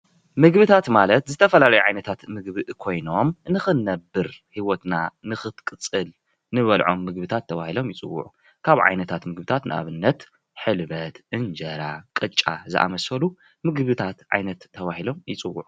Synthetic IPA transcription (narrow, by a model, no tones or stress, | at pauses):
mɨɡbɨt̪ʰat̪malɐt̪zɨt̪ʰɐfɐlalɐjuʕajnɐt̪ʰat̪mɨɡβɨʔkʰo̞jno̞mnɨxɨnːɐbːɨɾhiwot̪nanɨxɨt̪kʼɨt͡sʼɨl | nɨβɐlʕo̞̰mːɨɡbɨt̪ʰat̪ʰːɐβahilo̞mjɪt͡sʼɨ̰wːʊ̰ʕu | kʰaβʕa̰jnɐt̪ʰat̪mɨɡbɨt̪ʰat̪nʔɨʔa̰βɨnːɐt̪ | ħɨlβɐt̪ʔɨnd͡ʒɐɾakʼɨt͡ʃʼːa̰zɨ̰ʔa̰mɐsɐlu | mɨɡβɨt̪ʰat̪ʕa̰jnɐt̪ʰːɐβahilo̞mjɪt͡sʼɨwːṵʕu